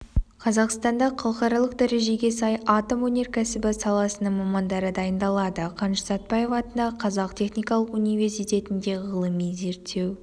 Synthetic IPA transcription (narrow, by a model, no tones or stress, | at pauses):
qʰɑzɑqst̪ɑnd̪ɑqʰɑlˠəχɑɾɑlˠəqd̪æɾe̞ʒe̞ɡʲe̞sɑjɑt̪omwɵne̞ɾkʲæsɪbɪsɑlˠɑsənəɴmɑmɑnd̪ɑɾəd̪ɑjənd̪ɑlˠɑd̪əqʰɑnʃsɑt̪̚bɑje̞vɑt̪ənɑqʰɑzɑq̚t̪ʰe̞χnijkɑlˠəqunijvʲe̞rsijt̪e̞t̪ɪnd̪e̞ʁəlˠəmijze̞ɾt̪ʰːe̞w